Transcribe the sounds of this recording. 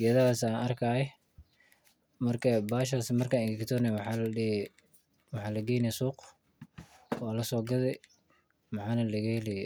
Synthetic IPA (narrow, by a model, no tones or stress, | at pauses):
ɡɛːðɐhaːsaːnɐrkʰaːɛ | mɐrkʰɐbaːʃ̬aːsmɐrkʰaːnɪkt̪ʰɔːnɛwħɑlɐ | wɑħɑːlɐɡɛːjnɛsuːq | wɑːlɐsɔːɡɐðɛ | mɑħɑːnɐlɐɣɛhɛlɛj